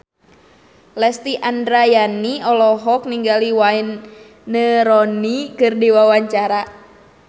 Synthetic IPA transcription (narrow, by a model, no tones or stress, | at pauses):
lɛst̪iʔandɾajaniɔlɔɦɔk̚niŋɡaliwainː | əɾɔnikɨrdiwawaɲt͡ʃaɾa